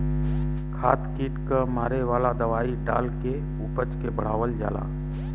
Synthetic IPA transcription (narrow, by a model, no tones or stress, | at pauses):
kʰaːt̪kiːʈkəmaːɾeʋaːlad̪əʋaːiɖa̰ːlke | upət͡ʃkebəɽ̤aːʋəld͡ʒa̰ːla̰ː